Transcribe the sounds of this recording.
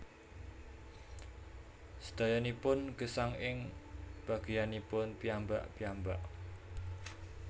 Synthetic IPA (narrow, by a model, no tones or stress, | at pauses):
sə̥d̪̥a̤janipʊnɡ̥əsaŋɪŋb̥aɡ̥ijanipʊnpiambaʔpiambaʔ